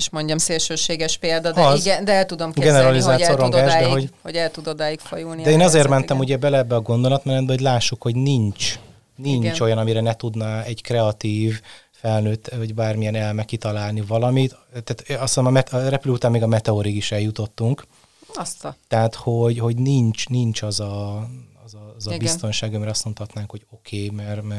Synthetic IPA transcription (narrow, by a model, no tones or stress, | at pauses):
eʃmoɲɟɒmseːlʃøːʃeːɡɛʃpeːld̪ɒd̪ɒzd̪ɛɛlt̪ud̪omɡɡɛnɛɾɒlizaːlt̪soɾoŋɡ̪ɡaaːʒd̪ɛɦoɟhoɟɛlt̪ud̪od̪aːjikfɒjulndid̪ɛeːnɒzeːrmɛnt̪ɛmuɟɛbɛlɛɛbːɛɒɡo̞nd̪o̞lɒt̪mɛnɛt̪̚bɛoɟlaːʃːukho̞ɟnint͡ʃ | niɲt͡ʃo̞jɒnɒmiɾɛnɛt̪ud̪nɒɛɟkrɛɒt̪iːv | fɛlnøːt̪ːvɒɟbaːrmijɛnɛlmɛkːit̪ɒlaːlnivɒlɒmit̪t̪ːaːt̪ɒsonmɒmɛɒrɛpyløut̪aːnmːeːɡɒmɛt̪ɛoɾiɡiʃɛljut̪o̞t̪ːuŋk | st̪ɛat̪ho̞ɟho̞ɟnint͡ʃnint͡ʃɒzɒ | zɒzɒbist̪o̞nʃaːɡɒmɛɾɒstmo̞nt̪hɒt̪naːŋkho̞ɟo̞kʰeːmɛrmɛ